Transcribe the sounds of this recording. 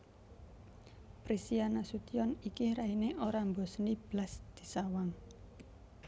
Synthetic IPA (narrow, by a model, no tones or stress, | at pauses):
pɾisianasut̪ijɔnikiɾaineʔoɾambɔ̤snib̥lasd̪̥i̤̥sawaŋ